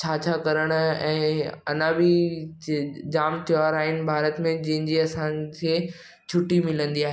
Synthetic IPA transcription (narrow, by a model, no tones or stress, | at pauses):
t͡ɕʰaːt͡ɕʰakɐɾəɽ̃ʊɛ̰̃ːɐnãbɪ | d͡ʑaːmt̪ʰijaɾaːɦɪnɪ̆bʱaːɾət̪mẽd͡ʑɐɦɪ̃ɲd͡ʑiɐsãkʰeː | t͡ɕʰʊʈːimɪlə̃nd̪iaːɦe